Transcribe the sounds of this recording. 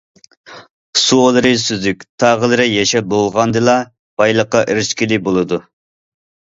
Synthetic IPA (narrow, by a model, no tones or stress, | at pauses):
suolˠɨɾɨsyzykʲt̪ʰɑʁəlˠɨɾɨjɛʃɛbolˠʁɑnd̪ɨlˠɑ | b̥ɑjlˠəqːɑʔiɾɪʃkʲilɪbolˠɨd̪u